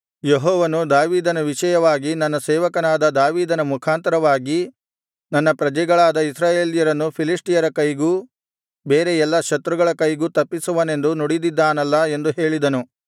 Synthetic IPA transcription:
jeɦɔːʋɐnud̪aːʋiːd̪ɐnɐʋiʃɐjɐʋaːɡinɐnːɐsɛːʋɐkɐnaːd̪ɐd̪aːʋiːd̪ɐnɐmukʰaːnt̪ɐɾɐʋaːɡi | nɐnːɐpɾɐd͡ʒɛɡɐɭaːd̪ɐisɾaːje̞ːlijɐɾɐnːupʰilisʈijɐɾɐkɐjɡuː | be̞ːɾejɛlːɐʃɐt̪ɾuɡɐɭɐkɐjɡuːt̪ɐpːisuʋɐne̞nd̪unɔɽid̪id̪ːaːnɐlːɐe̞nd̪uɦe̞ːɭid̪ɐnu

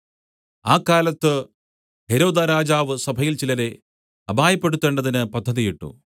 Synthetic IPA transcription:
aːkːaːlɐt̪ːɨ | he̞ɾo̞ːd̪aɾaːd͡ʑaːʋɨsɐbʱɐjilt͡ɕilɐɾe̞ | ɐbʱaːjɐpːe̞ɽut̪ːeɳɖɐðinɨpɐd̪ʱːɐðijiʈːṵ

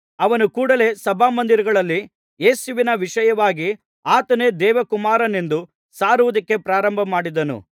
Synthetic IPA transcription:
ɐʋɐnukuːɽɐle̞sɐbʱaːmɐnd̪iɾɐɡɐɭɐlːi | jeːsuʋinɐʋiʂɐjɐʋaːɡi | aːt̪ɐne̞ːd̪ɛːʋɐkumaːɾɐnend̪u | saːɾuʋud̪ɐkːe̞pɾaːɾɐmbʱɐmaːɽid̪ɐnṵ

